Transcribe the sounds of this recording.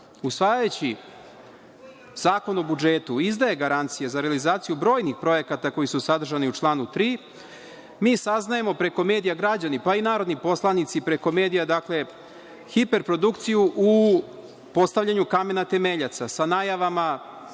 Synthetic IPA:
usʋaːjajut͡ɕi | zaːko̞no̞bud͡ʒe̞t̪uizd̪aje̞ɡaɾant̪sijezaɾealizaːt̪sijubɾo̞ːjnixpɾo̞je̞kat̪ako̞jisusad̪r̩ʒaniut͡ʃlˠaːnut̪ɾiː | miːsaznaje̞mo̞pɾe̞ko̞me̞ːd̪ijaɡɾad͡ʑanipainaːɾo̞d̪nipo̞slˠanit̪sipɾe̞ko̞me̞ːd̪ijad̪akle̞ | xipe̞ɾpɾo̞d̪ukt̪sijuʔu | po̞st̪aʋʎʲaɲukame̞nat̪e̞meʎat̪sasanaːjaʋama

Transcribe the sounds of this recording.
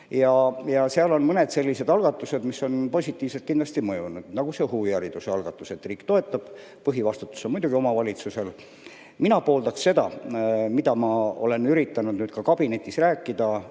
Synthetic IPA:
jɑjɑseɑlo̞nmɤne̞d̪̥se̞lʲːise̞d̪ɑlɡ̥ɑt̪ːˑuse̞d̪misːo̞npo̞sʲit̪ːˑiːvse̞lt̪̚kind̪lɑst̪imɤjunud̪̥nɑɡ̥use̞huːjæɾid̪useɑlɡ̥ɑt̪ːˑuse̞t̪ːˑriːkt̪o̞et̪ˑːɑb̥ | pɤɦivɑst̪ut̪ːˑu̥sonmujd̪uɡ̥io̞mɑvɑlʲit̪suse̞l | minɑpo̞ːld̪̥ɑksːe̞d̪ɑmid̪̥ɑmɑo̞̰le̞nyɾit̪ːˑɑnud̪ny̥ːkɑkɑb̥ine̞t̪ʲːˑisræːkˑːid̪̥ɑ

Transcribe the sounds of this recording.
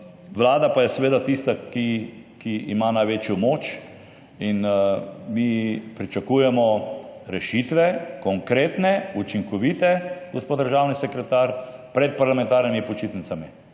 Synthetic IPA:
ʋlaːd̪apajɛsɛʋeːd̪at̪ist̪aki | kiḭmanajʋeːt͡ʃjɔmoːt͡ʃ | inmipɾit͡ʃakuːjɛmɔɾɛʃit̪ʋɛkɔŋkɾeːt̪nɛut͡ʃiŋkɔʋiːt̪ɛɡospoːt̪d̪əɾʒaːwnisɛkɾɛt̪aɾ | pɾɛt̪̚paɾlamɛ̃nt̪aːɾnimipɔt͡ʃit̪nit̪sami

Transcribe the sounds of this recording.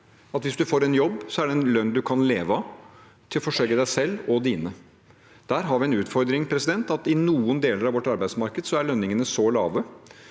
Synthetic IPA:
ɑt̪ʋɪsd̪ʉfoːɾɛnjɔbːsɔæɖɛɛnlœnːd̪ʉkʰɑnleːʋə | t̪ʰɪlfɔʂœləd̪æɪsɛlːɔd̪iːnə | d̪̥æɾɦɑɾʋɪɛnʉːt̪fɔɾd̪ɾɪŋpʰɾɛsɪd̪ɛnt̪ɑt̪ɪnuːənd̪eːləɾɑʋɔʈːɑɾbæɪd̪smɑɾkəd̪sɔæɭœnːɪŋənəsɔlɑ̰ːʋə

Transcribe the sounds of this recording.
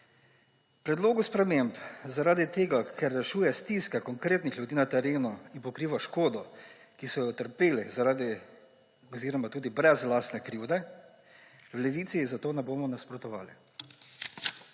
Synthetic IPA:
pɾɛd̪loːɡuspɾɛmempzaɾaːd̪it̪eːɡakʰɛɾːɛʃuːjɛst̪iːskakɔŋkɾeːt̪nixljud̪iːnat̪ɛɾeːnuinpɔkɾiːʋaʃkoːd̪ɔ | kisɔjɔt̪əɾpeːlɛzaɾaːd̪i | ɔziːɾɔmat̪uːd̪ibɾɛzlaːst̪nɛkɾiwd̪ɛ | wlɛʋiːt̪sizat̪oːnɛboːmɔnaspɾɔt̪ɔʋa̰ːlḭ

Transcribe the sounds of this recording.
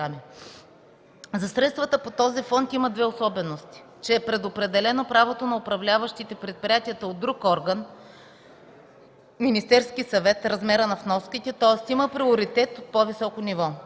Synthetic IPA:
amɛ | zɐsɾɛt̪st̪vət̪əpot̪ɔzifɔnt̪imɐd̪vɛosɔbɛnost̪i̥ | t͡ʃɛːpɾɛd̪opɾɛd̪ɛlɛnopɾavot̪onɐopɾɐvlʲavəʃt̪it̪ɛpɾɛt̪̚pɾʲiat̪iət̪əod̪ːɾukɔɾɡən | minist̪ɛɾskisɐvɛt̪ɾɐzmɛɾənɐfnɔskit̪ɛt̪ɔɛst̪iməpɾioɾit̪ɛt̪ot̪̚povisɔkonivɔ

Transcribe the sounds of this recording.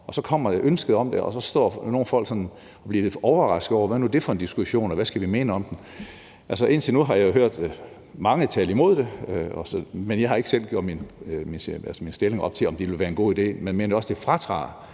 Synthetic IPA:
ɒ̽sɒ̽kʰɒ̽m̰ɐ̥eʔønsɡ̥əð̩ˠɒ̽md̥eɒsɒ̽sd̥ɒ̰ːno̝ːn̩fɒ̽l̰ɡ̥sɒ̽n | ɒb̥liːd̥eɒʊɐʁɑ̈sɡ̥ð̩ˠɒ̰ʊɐʋæɐnuæɐd̥e̝fɒe̝nd̥isɡ̥uɕo̝̰ːnɒʋæsɡ̥æʋime̝ːnəɒ̽md̥en | ʔæls̬əʔe̝nt͡sʰinuɦɑ̈jɑ̈joɦøɐ̰d̥ | mɑ̈ŋət͡sʰɛ̰ːləimo̝ð̰ˠd̥e̝ɒsɒmenjɑ̈ɪhɑ̈e̝ɡ̥əsel̰ɡ̥oɐminminælsminsd̥e̝le̝ŋɒ̽b̥̚t͡sʰe̝lɒ̽md̥iʋelʋæːɐenɡo̝̰ːid̥e̝̰ːmenme̝ːnɐjɒ̽sd̥e̝fʁɑ̈t͡sʰʁɑ̰̈ː

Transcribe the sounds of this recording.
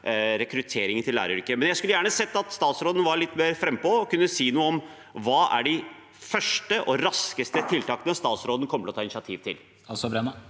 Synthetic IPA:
ɾɛkɾʉt̪ʰeːɾɪŋənt̪ʰɪllːæ̰ːɾəɾʏkːəmɛnjæɪskʉləjæːɳəsɛt̪ːɑt̪st̪ɑːt̪sɾoːd̪n̩ʋɑɾɭɪt̪ːmeːɾfɾɛmːpɔɔkʉnːəsiːnuːəɔm | ʋɑːʔæ̰ɖɪ | fœʂʈəʔɔɾɑskəst̪ət̪ʰɪlt̪ɑːkənəst̪ɑːt̪sɾoːd̪n̩kʰɔməʈɔt̪ʰɑːɪnsjɑt̪ʰiːʋt̪ʰɪ̰l | ɑsɔbɾɛnɑ

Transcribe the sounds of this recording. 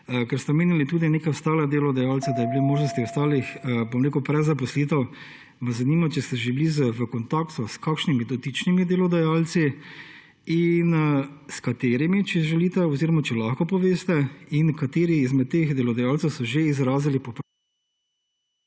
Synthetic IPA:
kɛɾst̪ɛmeːnilit̪uːd̪ineːkawst̪aːlad̪eːlɔd̪ajaːlt̪sɛd̪aibilemoːʒnɔst̪iwst̪aːlixbomɾeːkupɾɛzapɔsliːt̪ɛw | mɛzɐniːmat͡ʃɛst̪ɛʒeblizəʋəkɔnt̪aːkt̪uskakʃnimid̪ɔt̪it͡ʃnimid̪elɔd̪ajaːlt̪si | inskat̪eːɾimit͡ʃɛʒɛliːt̪ɛɔziːɾɔmat͡ʃɛlaxkɔpɔʋeːst̪ɛinkat̪eːɾiːzmɛt̪ːeːxd̪elɔd̪ajaːlt̪sɛwsɔʒeizɾaːzilipɔp

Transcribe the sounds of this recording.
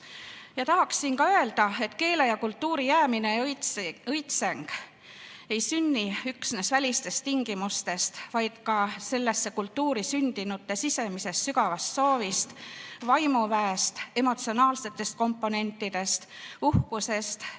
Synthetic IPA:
jɑt̪ɑɦɑksːinkɑøe̞ld̪̥ɑe̞t̪ke̞ːlejɑkult̪ːuːɾijæːmine̞ | ɤjt̪seŋɡ̥ | e̞jsynʲːiyksne̞svælʲist̪e̞st̪iŋɡ̥imust̪e̞st̪vɑjd̪̥kɑse̞lːe̞sːe̞kult̪ːuːɾisynd̪̥inut̪ːe̞sise̞mise̞st̪syɡ̥ɑvɑst̪so̞ːvist̪vɑjmuvæest̪e̞mo̞t̪sio̞nɑːlse̞t̪ːˑe̞st̪̚ko̞mpːo̞ne̞nʲt̪ːˑid̪̥e̞st̪uhkuse̞st̪

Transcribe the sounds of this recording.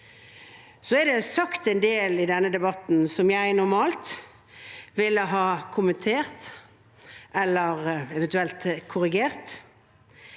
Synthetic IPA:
sɔɛd̪ɛsɑkt̪ɛnd̪eːlɪd̪ɛnːəd̪ɛbɑt̪n̩sɔmjæɪnʊʁmɑːlt̪ | ʋɪlːəɦɑːkʰʊmənt̪ʰeːʁt̪ | ʔɛlːəʁɛʋɛnt̪ʉɛlt̪kʰʊʁɪɡeːʁt̪

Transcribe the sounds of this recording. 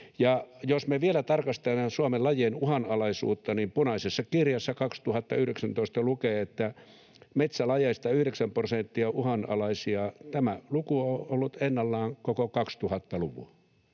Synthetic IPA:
jɑjosmeʋielæt̪ɑrkɑst̪emɑsuomelɑjenuhɑnɑlɑisṵːt̪ːɑnimpunɑisesːɑkirjɑsːɑkɑkst̪uhɑt̪ːɑyhɾeksænt̪oˑist̪ɑlukeːet̪ːæ | met̪sælɑjest̪ɑyhɾeksæmprosent̪ːiɑuhɑnɑ̰lɑisiɑt̪æmælukuoolːut̪enːɑlːɑːŋkokokɑkst̪uhɑt̪ːɑluʋṵɑ

